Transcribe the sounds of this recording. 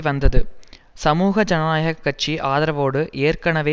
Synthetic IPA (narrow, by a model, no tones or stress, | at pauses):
ʋɐnd̪ɐðɯ | sɐmuːɣɐd͡ʒɐnaːjɐɣɐkːɐt͡ʃːiʔaːðɐɾɐʋoːɽɯʔeːrkɐɳɐʋeː